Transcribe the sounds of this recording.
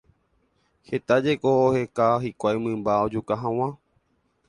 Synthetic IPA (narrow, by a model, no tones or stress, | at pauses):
he̞t̪ad͡ʒekoːhe̞kaɦikʷajmɨ̃mbaod͡ʒukaɦãw̃ã